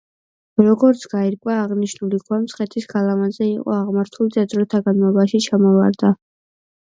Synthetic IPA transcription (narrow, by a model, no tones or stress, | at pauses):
ɾɔɡɔɾt̪sʰɡ̥aiɾkʼwaːʁniʃnulikʰwamsʰχɛt̪ʰiskʰalˠamazɛiqʼɔ̰aʁmaɾt̪ʰulid̪ad̪zɾɔt̪ʰaɡanmɔbaʃit͡ʃʰamɔva̰ɾd̪a